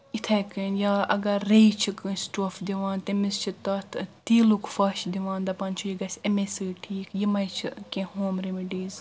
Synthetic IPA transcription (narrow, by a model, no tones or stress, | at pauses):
it̪ʰɐjkɨnjaːʔɐ̰ɡɐɾejt͡ʃʰikɨsʈoːfd̪iʋaːnt̪emist͡ʃʰit̪ɐt̪ʰt̪iːlukʰfɐːʃd̪iʋaːnd̪ɐpɐnt͡ʃʰujiɡɐsʲɐmesɨːʈʰiːkjimɐjt͡ʃʰikʲẽhoːmɾemiɖiːz